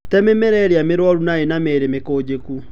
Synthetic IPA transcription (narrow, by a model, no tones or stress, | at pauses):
tɛmɛmɛɾɛɾeameɾwɔɾunaenameɾemekoːd͡ʑeku